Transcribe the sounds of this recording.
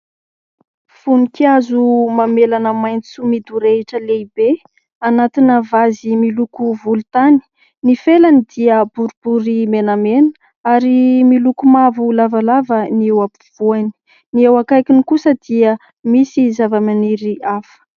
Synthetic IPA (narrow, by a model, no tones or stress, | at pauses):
funikiazumamelanəmajnt͡sumid̪uɾeʈ͡ʂəleibe | anat̪inəvazimilukuvulut̪ani̥ | nifelanid̪iəbuɾub̥uɾimenamenə̥ | aɾimilukumavulavalavəniewapuv̥uani̥ | niewakajkʲinikusəd̪̥iə | misizavəmaniɾiafə̥